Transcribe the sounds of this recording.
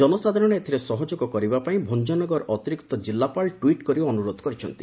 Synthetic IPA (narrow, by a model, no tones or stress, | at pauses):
d͡ʒɔnɔsad̪ʱɔɾɔɽ̃eet̪ʰiɾesɔɦɔd͡ʒoɡɔkɔɾibapaĩbʱond͡ʒɔnɔɡɔɾʔɔt̪iɾikt̪ɔd͡ʒilːapalʈwiʈkɔɾiɔnuɾod̪ʱɔkɔɾit͡ʃʰɔnt̪i̥